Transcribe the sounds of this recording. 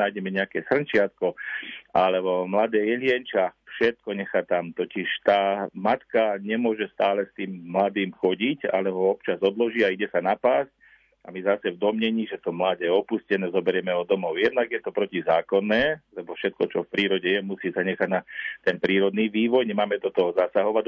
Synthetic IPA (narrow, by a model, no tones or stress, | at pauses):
aːjɟɛmɛɲɛakɛːsr̩nt͡ʃɪat̪̚kɔalɛɔmlad̪ɛːjɛlɪɛnt͡ʃafʃɛt̪̚kɔɲɛxat̪amt̪ɔciʃt̪aːmat̪kaɲɛmʊɔʒɛst̪aːlɛst̪iːmːlad̪iːmxɔɟica̰lɛɔɔpt͡ʃazɔd̪lɔʒiːaiɟɛsanapaːsc̚ | a̰mizasɛvd̪ɔmɲɛɲiːʒɛt̪ɔmlaːɟɛːɔpuscɛnɛːzɔbɛɾjɛmɛɔd̪ɔmɔʊjɛd̪naɡjɛt̪ɔpɾɔcizaːkɔnːɛːlɛbɔfʃɛt̪̚kɔt͡ʃɔfpɾiːɾɔɟɛjɛmusiːsaɲɛxaɟnat̪ɛnpɾiːɾɔd̪niːʋiːʋɔjɲɛmaːmɛd̪ɔt̪ɔɦɔzasaɦɔʋa